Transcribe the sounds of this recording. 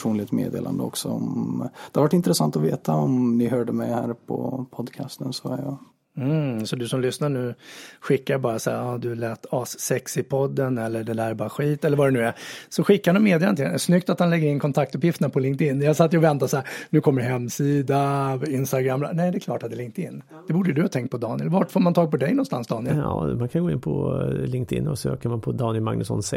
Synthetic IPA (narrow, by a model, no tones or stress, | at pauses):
uːnlɪɡ̚t̪mḛːd̪ḛːlʔa̰nd̪əɔ̰ksɔɔmd̪ɛhaɾvaʈːɪnt̪ɾɛsant̪ɔveːt̪aɔmnɪɦœːɖəmɛjhæ̰ːɾpʰɔ̰pʰɔd̪kʰa̰st̪ənsɔæjɑː | m̩sɔd̪ɵsɔmlʏsnaɾɳʉ̟ːɧɪkːaɾbɑːɾasa̰ːad̪ɵlɛːt̪ʰɑːsːɛksɪpʰɔd̪ːənɛlːəɖɛd̪æːɾbɑːɾaɧiːt̪ɛlːəɾvadɛnʉ̟ːɛsɔɧɪkːaɾnɔmeːd̪ɪjaɾnɪŋsnʏk̚t̪at̪hanlɛɡːəɾɪnkʰɔnt̪ʰak̚t̪ɵpjɪft̪əɳapʰɔlɪŋkt̪ɪnːjɑsat̪ːjəɔvɛnt̪asaːɾnʉ̟ːkʰɔmːəɾɦɛmːsiːd̪aɪnst̪aɡɾamːa̰nɛɪd̪ɛːkʰlɑ̰ːʈat̪̚d̪ɛlɪŋkt̪ɪ̰nː | d̪̥ɛbuːɖəd̪ɵhɑːt̪ʰɛŋkt̪̚pʰɔd̪ɑːnɪə̰lvɑʈfoːɾmant̪ʰɑːɡ̚pɔd̪ɛjnɔnst̪a̰nsd̪ɑːnɪəlɑ̰mankʰanɡoːɪnpʰɔ̰lɪŋk̚t̪ɪ̰nːɔ̰sø̰ːkəɾmanpʰɔd̪ɑːnɪəlma̰ŋnɵsɔ̰ns